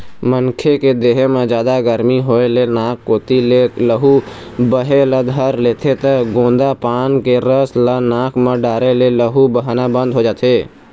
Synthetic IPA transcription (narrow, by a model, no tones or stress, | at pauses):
mənkʰeked̪eɦemẽd͡ʒjaːd̪aɡəɾmiɦoːelenaːkːoːt̪ileləɦu | bəɦeləd̪ʱɦəɾlet̪ʰet̪əɡõːnd̪apaːnkeɾəslənaːkʰmẽɖaːɾeleləɦubəɦanabə̃nd̪ʱɦod͡ʒaːt̪ʰeː